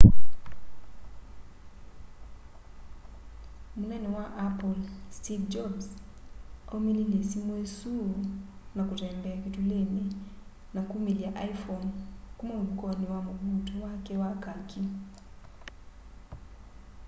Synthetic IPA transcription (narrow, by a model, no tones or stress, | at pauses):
munɛnɛwaʔapɔlstivd͡ʒɔbs | ɔmilinesimwɛsu | nakutɛmbɛakituleni | nakumiliaʔajfɔnkumɔukɔniwamuɓutɔwakɛwakakʰi